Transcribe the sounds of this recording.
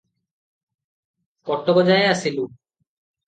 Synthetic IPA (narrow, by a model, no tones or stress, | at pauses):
kɔʈːokod͡ʑaeaʃʰilu